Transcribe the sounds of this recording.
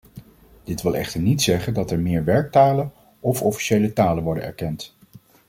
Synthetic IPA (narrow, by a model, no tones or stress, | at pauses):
d̥ɪtʋɪlˠɛ̰χtəɹnitsɛχəndɑtɛɹmɪːɹʋɛɹk̚taːlən | ɔfɔfi̥ʃejlətaːlənʋɔɹdə̰nɛ̰ɹkɛnt